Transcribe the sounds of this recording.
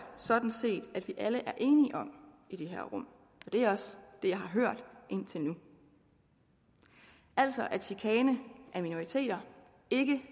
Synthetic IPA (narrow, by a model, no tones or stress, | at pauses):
sɒ̽d̥n̩se̝̰ːd̥æd̥ʋiʔæləʔæɐʔe̝ːniʔɒ̽m | id̥e̝ɦæɐ̰ʁɔ̽m̰ | ɒ̽d̥e̝æɐɒ̽sd̥e̝jɑ̈ɪhɑ̈ɦøɐ̰d̥ʔe̝n̰t͡sʰe̝lnu | æl̰sɒ̽ʔæɐsʰikʰɛːnəʔæɐmino̝it͡sʰe̝̰ːd̥ɐ | e̝ɡ̥ə